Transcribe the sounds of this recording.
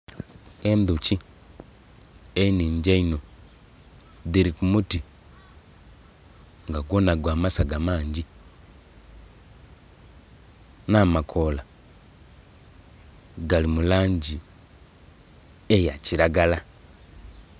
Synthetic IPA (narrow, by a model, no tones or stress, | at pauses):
endut͡ʃi | einiːɲɟeino | ðiɾikumuti | ŋɡaɡwonaɡwaːmasaɡamaːɲɟi | namakʰola | ɡalimulaːɲɟi | ejaciɾaɡala